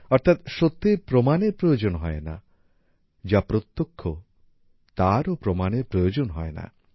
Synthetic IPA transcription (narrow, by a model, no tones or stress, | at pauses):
ɔɾt̪ʰat̪ʃot̪ːepɾɔmaneɾpɾɔjod͡ʒɔnɔɦɔena̰ | d͡ʒapɾot̪ːokʰːɔ | t̪aɾopɾɔmaneɾpɾɔjod͡ʒonɔɦɔena̰